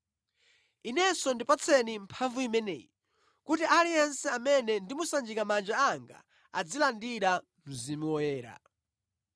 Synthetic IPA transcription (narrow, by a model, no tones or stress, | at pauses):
inɛsɔndipat͡sʰɛnimpʰaɱvuimɛnɛ̰ːji | kutiʔaliɛnsɛamɛnɛndimusand͡ʒikamand͡ʒaaŋɡa̰ | ad͡zilandiɾa | muzimiwɔjɛːɾa̰